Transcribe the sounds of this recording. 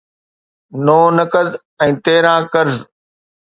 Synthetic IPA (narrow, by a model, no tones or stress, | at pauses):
noːnəkəd̪ | ɛ̃ːt̪eːɾãːkəɾz